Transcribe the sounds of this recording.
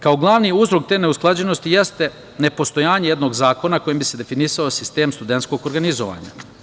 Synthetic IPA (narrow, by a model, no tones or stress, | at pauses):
kao̞ɡlˠaʋniuzɾok̚t̪e̞ːne̞usklˠad͡ʑe̞no̞st̪ije̞st̪e̞ | ne̞po̞st̪o̞jaːɲejed̪no̞ɡzaːko̞nako̞jimbise̞d̪e̞finisaosist̪e̞ːmst̪ud̪e̞nt̪sko̞ɡoɾɡanizoʋa̰ːɲa̰